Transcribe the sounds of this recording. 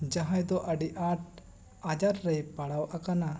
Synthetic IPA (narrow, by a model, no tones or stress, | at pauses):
d͡ʒaɦãjd̪ɔʔəɖiʔaʈ̚ | ad͡ʒaɾːɛjpaɽawʔakana